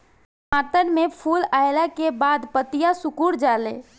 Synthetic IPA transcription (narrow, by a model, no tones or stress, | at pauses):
mat̪ənmepʰulajlakebad̪pət̪ijasukuɽd͡ʒalḛ